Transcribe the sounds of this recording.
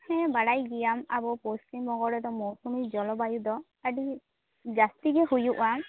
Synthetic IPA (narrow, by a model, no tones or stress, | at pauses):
hɛbaɽajɡijama̰bɔpostimbɔɡɔɽɔd̪ɔmɔsumid͡ʒɔlɔbajud̪ɔ | aɖi | d͡ʒast̪iɡɛhujuʔwam